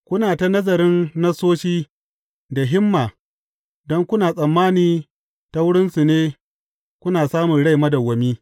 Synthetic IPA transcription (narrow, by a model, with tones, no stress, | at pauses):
kʷʊ˦naː˨ta˨nɐ˦zɐ˨ɾɪ˦nːa˦soː˦ʃiː˦ | da˨ɦɪ˦mːaː˨ | dɔ˦ŋkʷʊ˦naː˨sʼɐ˨mːaː˦niː˨ | ta˦wʊ˦ɽɪ˦nsu˨neː˦ | kʷʊ˦naː˨saː˦mʊ˨nɽa˦˨jmɐ˦da˨wɐ˨miː˦